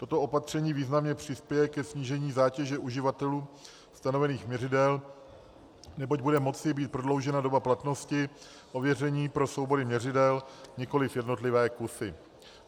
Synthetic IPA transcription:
t̪o̞t̪o̞ʔo̞pat̪r̝̥ɛɲiːviːznamɲɛpr̝̥ɪspjɛjɛkɛsɲiːʒɛɲiːzaːcɛʒɛʔuʒɪvat̪ɛluː | st̪ano̞vɛniːxmɲɛrɪdɛl | nɛbo̞ɟ̚budɛmo̞t͡sɪbiːt̪̚pɾo̞dlo̞wʒɛnado̞baplat̪no̞scɪ | ʔo̞vjɛrɛɲiːpɾo̞so̞wbo̞dɪmɲɛrɪdɛlɲɛko̞lɪfjɛdno̞t̪lɪvɛːkusɪ

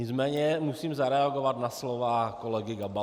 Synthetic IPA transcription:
ɲɪt͡smɛːɲɛmusiːmzaɾɛaɡovat̪naslovakolɛɡɪɡaba

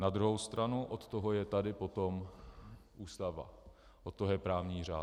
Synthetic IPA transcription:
nad̪ɾuɦowst̪ɾanuʔot̪t̪oɦojɛt̪adɪpot̪om | ʔuːst̪ava̰ | ʔot̪̚t̪ːoɦojɛpɾaːvɲiːr̝aː

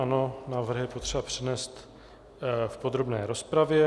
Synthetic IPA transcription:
ano̞naːvr̩ɦjɛpot̪r̥ɛbapr̝̥ɛnɛːst̪ | fpo̞d̪ɾo̞bnɛːɾo̞spɾavjɛ

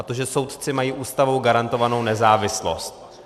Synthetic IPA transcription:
t̪oʒɛso̞wt̪t͡sɪmajiːʔuːst̪avowɡaɾant̪o̞vano̞wnɛzaːvɪslo̞̰st̪̚

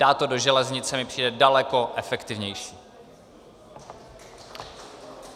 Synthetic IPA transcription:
daːt̪odo̞ʒɛlɛzɲɪt͡sɛmɪpr̥iːdɛdalɛko̞ʔɛfɛkt̪ɪvɲɛjʃiː

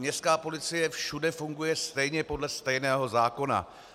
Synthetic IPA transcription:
ɲɛst̪kaːpo̞lɪt͡sɪjɛfʃudɛfuŋɡujɛst̪ɛjɲɛpo̞dlɛst̪ɛjnɛːɦo̞zaːko̞na̰

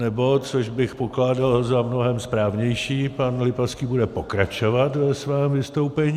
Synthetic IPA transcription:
nɛbot͡soʒbɪxpoklaːdalzamnoɦɛmspɾaːvɲɛjʃiːpanlɪpaskiːbudɛpo̞kɾat͡ʃo̞vat̪vɛsvɛːmvɪst̪owpɛɲ

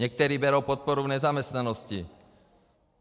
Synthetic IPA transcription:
ɛk̚t̪ɛɾiːbɛɾɔʊpɔt̪̚pɔɾuvɲɛzamɛst̪nanɔsci

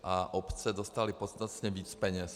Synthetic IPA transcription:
ʔaʔopt͡sɛdost̪alɪpot̪st̪at̪ɲɛviːt͡spɛɲɛs

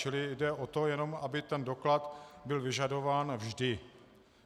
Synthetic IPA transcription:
t͡ʃɪlɪdɛʔot̪o̞jɛno̞mabɪt̪ɛndo̞klat̪bɪlvɪʒado̞vaːnvʒdɪ

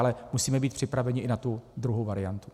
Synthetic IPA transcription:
lɛmusiːmɛbiːt̪̚pr̝̥ɪpɾavɛɲɪʔɪnat̪ud̪ɾuɦowvaɾɪjant̪u

